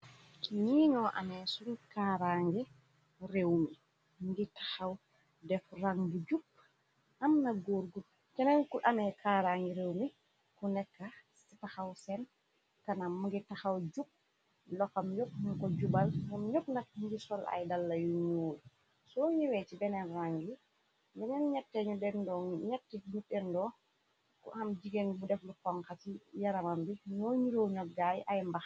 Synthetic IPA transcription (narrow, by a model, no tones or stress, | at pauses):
ɲiɲɔʔa̰mɛsunkaɾaŋɡɛ | rewmi | mɡitḁxaw | dɛfraŋɡid͡ʒup̚ | ʔamnaɡoɾɡul | t͡ʃɛnankuʔamɛkʰaɾaŋɡɛɾewmi | kunɛkːassitaxawsɛn | kanamuŋɡitaxawd͡ʒup̚ | lɔkɐmjop̚muŋkɔɟubɐlɐmɲop̚nɐk̚muŋɡisɔlɐ̰jdɐlːɐjuɲuːl | sɔɲiwɛt͡ʃibɛnɛnraŋɡi | bɛnɛnɲɛtːɛɲuɗɛndɔɲɛtːiɲuɗɛndɔː | kṵhɐmd͡ʒiɡɛnbudɛflukɔŋkatijaɾɐmɐmbiɲɔːɲiɾɔwɲɔk̚ɡajʔɐjmbɐx